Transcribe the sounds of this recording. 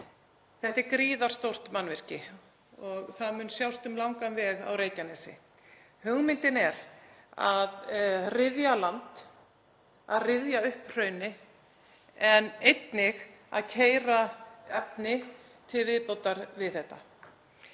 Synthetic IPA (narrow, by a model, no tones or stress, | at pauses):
θɛht̪ɪɾkɾiːðaɾ̥st̪owr̥t̪manːvɪr̥cɪ | ɔɣθaðmʏːnsjawst̪ʏmlawŋkanvɛːɣa̰wɾeːjcanɛsɪ̰ | hʏɣmɪnt̪ɪnɛɾaðrɪðjalant̪ | aðrɪðjaʏhpr̥œːɥnɪ | ɛnejt̪nɪɣa̰ðcʰeːjɾaɛpnɪ | t̪ʰɪlvɪðpowt̪aɾvɪðθɛht̪ːa̰